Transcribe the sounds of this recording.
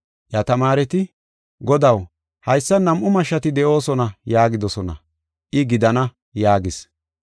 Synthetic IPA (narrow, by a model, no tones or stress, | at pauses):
jɐt̪ɐmaːɾɛt̪ɪ | ɡɔd̪ɐw | hɐjsːɐnɐmʔʊmɐʃɐt̪ɪd̪ɛʔo̞ːsɔnɐjaːɡɪd̪ɔsɔnɐ̰ | ʔɪɡɪd̪ɐnɐ | jaːɡɪs